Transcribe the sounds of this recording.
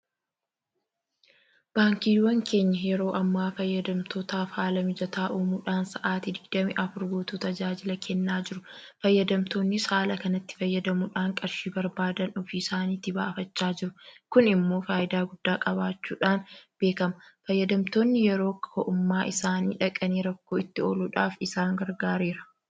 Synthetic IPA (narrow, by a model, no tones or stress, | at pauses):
b̥aːŋkiːwɐŋkʰe̞ːɲːɐjɛɾo̞ːʔɐmːaːfɐjːɐd̪ɐmt̪ʰoːt̪aːfhaːlɐmɪd͡ʒɐt̪aːʔuːmuːᶑaːnsɐʔaːt̪ɪd̪ɪɡd̪ɐmɪʔɐfʊɾɡo̞ːt̪uːt̪ɐd͡ʒaːd͡ʒɪlɐkʰɛnːaːd͡ʒɪɾʊfɐjːɐd̪ɐmt̪o̞ːnːɪshaːlɐkɐnɐt̪ːɪ̥fɐjːɐd̪ɐmʊᶑaːŋkʼɐɾʃiːbɐɾbaːd̪ɐnɔfiɪsaːniːt̪ɪba̰ːfɐt͡ʃːaːd͡ʒɪɾʊkʊnɪmːoːfaːjɪd̪aːɡʊd̪̥ːaːkʼɐbaːt͡ʃːṵːᶑaːnb̥e̞ːkɐmɐfɐjːɐd̪ɐmt̪o̞ːnːɪjɛɾo̞ːkʰɔʔʊmːaːʔɪsaːnḭːᶑɐkʼɐniːɾɐkːoːɪt̪ːɪo̰ːluːᶑaːfɪsaːŋɡɐɾɡaːɾeːɾɐ̥